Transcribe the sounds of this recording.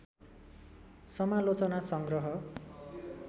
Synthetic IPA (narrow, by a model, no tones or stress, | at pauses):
sʌmalot͡sʌnasʌŋɡrʌɦʌ